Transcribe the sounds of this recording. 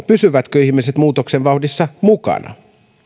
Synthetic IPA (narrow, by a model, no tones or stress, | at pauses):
pysyʋæt̪køihmise̞t̪muːt̪okseʋʋɑwdisːɑmukɑ̰nɑ̰